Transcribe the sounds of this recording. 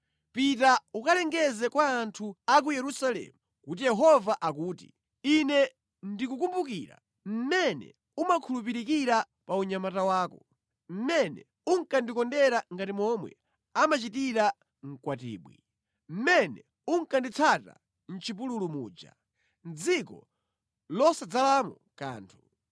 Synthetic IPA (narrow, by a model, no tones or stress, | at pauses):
pitaukalɛŋɡɛzɛkwaːntʰuak̬ujɛɾusalɛ̰mu | kut̬ijɛɦɔvaʔak̬uːtḭ | inɛ | ndikukumbukiɾa̰ | m̩mɛnɛ̰ | umakʰulupiɾikiɾa | pauɲamatawaːkɔ | m̩mɛnɛ̰ | uŋkandikɔndɛɾaŋɡatimɔmwɛ̰ | amat͡ʃitiɾa | ŋ̩kwatḭːɓwḭ | m̩mɛnɛ̰ | uŋ̩kandit͡sʰata̰ | n̩t͡ʃʰip̬ululumuːd͡ʒa̰ | nd͡zikɔ̰ | lɔsad͡zalamɔ | ka̰ːntʰu